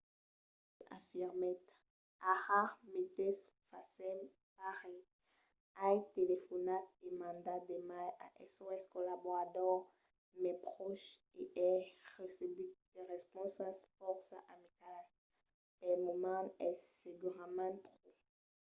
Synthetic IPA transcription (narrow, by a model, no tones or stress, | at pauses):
a̰fiʁmɛt̪ | aʁamet̪ɛs | fasɛm | paʁɛ | ajtelefɔnat̪emɑ̃nd̪ad̪emajaʔɛsoɛskɔlabɔʁadɔʁ | mɛpχɔʃeʔɛʁesebid̪̥eʁɛspɔ̃sãspɔksaʔamikalas | pɛlmomãnɛseɡyʁamãpχo